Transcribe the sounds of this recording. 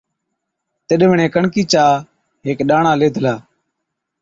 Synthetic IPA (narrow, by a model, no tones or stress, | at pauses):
t̪ɪɗʋəɳẽːkəɳkiːt͡ʃaː | ɦeːkɗaːɳãːleːd̪ʱəlaː